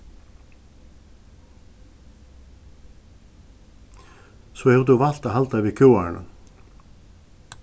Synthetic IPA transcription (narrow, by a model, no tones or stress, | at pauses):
sɔhɛvɾt̪uval̥t̪aɦalt̪avikʰuːwa̰na̰